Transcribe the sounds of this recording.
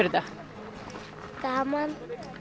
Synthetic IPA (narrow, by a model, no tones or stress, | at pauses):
ɾd̪a | t̪aman